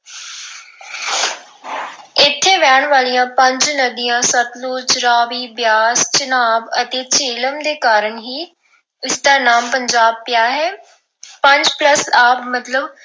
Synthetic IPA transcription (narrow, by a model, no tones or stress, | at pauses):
ɪt̪ʰːeːʋɛːɳ̃ʋaːlijãːpəɲd͡ʒnəd̪ijãːsət̪luːt͡ʃɾaːʋiːbjaːst͡ʃənaːbət̪eːt͡ʃeːləmd̪eːkaːɾəɳɦiː | ɪsd̪aːnaːmpəɲd͡ʒaːb̚pjaːɦɛː | pəɲd͡ʒpləsaːpmət̪ləb